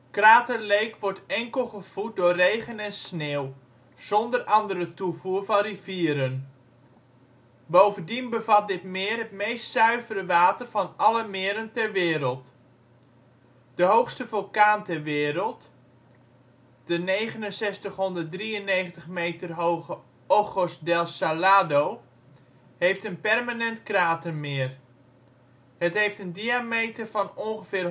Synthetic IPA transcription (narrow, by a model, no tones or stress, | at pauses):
kraːtərlejkʋɔɹtɛŋkəlˠχəv̥ut̚dʊːrejχənɛnsneːw | z̥ɔndərʔɑndəɾətuvuərvɑnriviːəɾən | bowvəndinbəvɑt̚dɪtmɪːrɦətmejstsœɥvəɾəʋaːtərvɑnɑləmɪːɾəntɛrʋɪːɾəlˠt | dəɦowxstəvølˠkaːntɛrʋɪːɾəlˠt | d̥ənejχənənsɛstəχɦɔndərt̚driəneːχəntəχmejtərɦowɣə | oχosdɛlˠsalaːdoː | hejftənpɛrmanɛntkraːtənmɪːr | hətɦejftəndiamejtərfɔnonχəfɪːr